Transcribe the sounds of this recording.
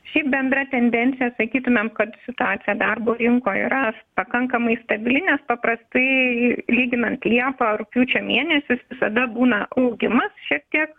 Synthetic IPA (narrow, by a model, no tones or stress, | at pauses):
ʃʲɛɪp̚bʲɛnd̪rɐt̪ʲɛnʲd̪ʲɛnʲt̪sʲɪjɛsɐkʲiːt̪ʊmʲɛmkɐt̪sʲɪt̪ʊɑːt̪sʲɪjɛd̪ɐrboːɾʲɪŋkoːḭːɾɐpɐkɐŋkɐmɐɪst̪ɐbʲɪlʲɪnʲɛspɐpɾɐst̪ɐɪlʲiːɡʲɪnɐnt̪lʲiɛpɑːɾʊpʲjuːt͡ʃʲoːmʲiɛnʲɛsʲʊsʋʲɪsɐd̪ɐbuːnɐʔɐʊɡʲɪmɐsʃʲiɛk̚t̪ʲiɛk